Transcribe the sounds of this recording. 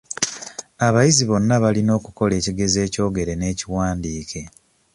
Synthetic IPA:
aβajiziβo̞nːaβalino̞ːkuko̞le̞ːciɡe̞ze̞ːco̞ːɡe̞ɾe̞ne̞ːciwaːndiːkʰe̞

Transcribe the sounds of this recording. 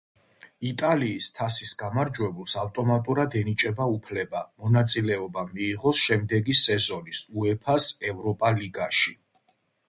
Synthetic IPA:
it̪ʼaliːst̪ʰasisɡamaɾd͡ʒwɛbulˠsaft̪ʼɔmat̪ʼuɾad̪ɛnit͡ʃʼɛbaupʰlɛbamɔnat̪sʼilɛɔbamiːʁɔsʃɛmd̪ɛɡisɛzɔnisuɛpʰasɛvɾɔpʼaliɡaʃi

